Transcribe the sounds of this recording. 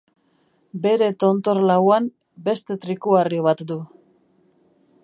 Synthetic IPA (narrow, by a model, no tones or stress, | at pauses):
be̞ɾe̞t̪o̞nt̪o̞ɾlawam | be̞st̪e̞t̪ɾikuario̞βat̪d̪u